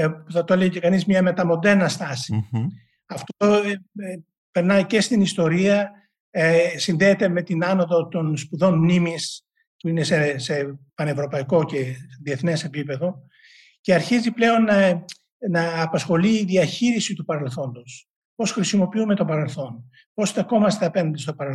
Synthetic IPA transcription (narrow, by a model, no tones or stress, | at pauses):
θɐt̪oleɣcekɐnizmɲɐme̞t̪ɐmo̞nd̪e̞ɾnɐst̪ɐsi | ɐft̪oo | pe̞ɾnɐjce̞st̪inist̪o̞ɾiɐ | sinðeːt̪e̞me̞t̪inɐno̞ðot̪o̞nspuðo̞nmnimis | puine̞sese̞pɐne̞vɾo̞pɐiko̞ce̞ðie̞θne̞se̞pipe̞ðo̞ | ceɐɾçiziple̞o̞n | nɐːpɐsxo̞liːðiɐçiɾisit̪upɐɾe̞lθo̞nd̪os | po̞sxɾisimo̞piume̞t̪o̞pɐɾe̞lθo̞n | po̞sθeko̞mɐst̪eɐpe̞nɐnd̪est̪opɐɾel